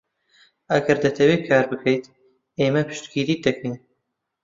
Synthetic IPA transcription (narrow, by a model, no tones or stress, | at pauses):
ɐɡɐɾd̪ɐt̪ʰɐweːkʰaːɾbɨkʰejt̪ | eːmɐpʰɨ̥ʃt̪kiːɾiːd̪ɐkʰin